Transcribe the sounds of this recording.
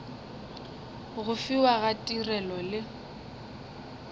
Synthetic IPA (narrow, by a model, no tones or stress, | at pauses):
ɣʊfiwaɣatʼirɛlɔlɪ